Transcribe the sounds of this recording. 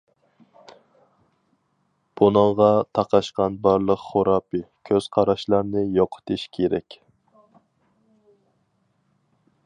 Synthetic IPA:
b̥unɨŋʁɑt̪ʰɑqʰɑʃqɑnbɑɾlˠəqχoɾɑːpɨkʲʰøz̥qʰɑɾɑʃlˠɑɾnɨjoqʰʊ̥t̪ʰɨʃkʲʰeɾɛkʲ

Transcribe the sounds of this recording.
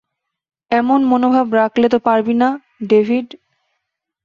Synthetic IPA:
ɛmonmonobʱabɾaklet̪̬opaɾbina | ɖebʱiɖ

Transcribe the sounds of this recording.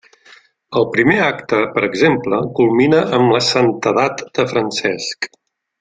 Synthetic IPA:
əlˠpɾimeakt̪əpəɾəɡzempləkulˠminəəmləsənt̪əðat̪d̪̥əfɾənsɛsk

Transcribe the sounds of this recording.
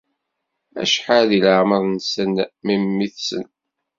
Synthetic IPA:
æ̰ʃħaðiləʕməðˤnsənmimːiθsə̰n

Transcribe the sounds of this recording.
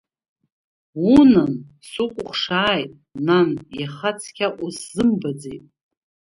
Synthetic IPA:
unan | sukʷʼʊχʷʂaːjtʼnanjaχat͡sʰkʲaʔʷʼusz̥ɨmbad͡zejtʼ

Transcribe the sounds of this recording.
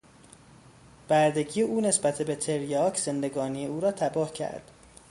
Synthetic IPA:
b̥æɾd̪e̞ɟijeʔuːne̞sbæt̪ʰebet̪ʰeɾjɒːkʰz̥e̞nd̪e̞ɡɒːnijeuːɾɒːt̪ʰæbɒːhcʰæ̰ɾd̪̥

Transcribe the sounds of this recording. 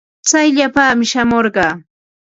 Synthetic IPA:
t͡sajʎapaːmɪʃamoɾɢɑː

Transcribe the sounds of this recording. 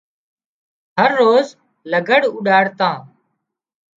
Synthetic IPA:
ɦəɾːoːz | ləɡəɽʊɗaːɽt̪ãː

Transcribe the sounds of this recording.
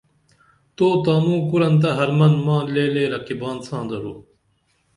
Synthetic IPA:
t̪oːt̪aːmũːkuɾɐnt̪̬ɐɦɐɾmɐnmãːleːleːɾɐkibãːnsʰãːnd̪ɐɾoː

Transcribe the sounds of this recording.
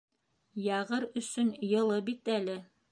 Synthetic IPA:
jɑʁɤɾɵ̆sɵnjɤ̆lˠɤbit̪ælɘ

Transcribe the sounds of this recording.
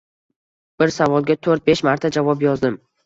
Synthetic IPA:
b̥ɪɾsavɒlˠɡʲat̪ʰɵɾt̪̚be̞ʃmaɾt̪ʰad͡ʒavɒpjɒzd̪ɪm

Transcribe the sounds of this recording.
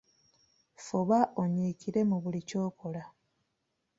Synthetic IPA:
fuβaʔo̞ɲiːkiɾe̞muβulico̞ːko̞la

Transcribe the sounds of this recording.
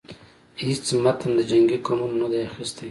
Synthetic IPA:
hit͡smat̪and̪əd͡ʒaŋɡikonunonad̪ajaxist̪aj

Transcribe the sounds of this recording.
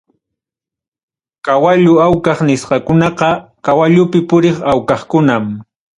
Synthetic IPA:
kawaʎʊawkɑχnɪsqɑkʊnɑqɑkawaʎʊpɪpʊɾeχawkɑχkʊnam

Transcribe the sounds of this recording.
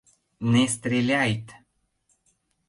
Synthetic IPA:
nɛst̪ɾelʲajt̪

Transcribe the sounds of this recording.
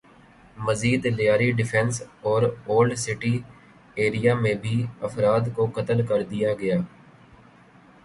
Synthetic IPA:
məziːd̪lɪjaːɾiːɖɪfʰɛ̃nsɔːɾoːlɖsɪʈiː | eːɾijaːmẽbʱiːəfɾaːd̪koːkət̪əlkəɾd̪ijaːɡɪjaː

